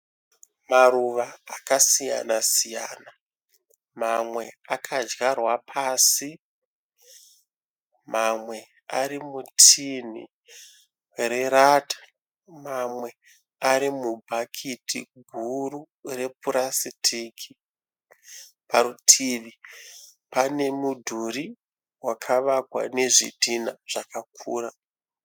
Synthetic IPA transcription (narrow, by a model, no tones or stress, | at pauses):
maruʋaakasija̰nasija̰ːna | mamwe̞akʰad͡ʒɣarwapʰaːsi | mamwe̞ | aɾimutʰinḭ | re̞ɾatḁ | mamwe̞ | aɾimubʱakʰitḭɡʱuru | re̞puɾasitʰiːkʰi | paɾutʰiːʋi | pane̞mudʱuɾi | wakʰaʋakwa̰ne̞ʐḭdʱinaʐ̥akakʰuːra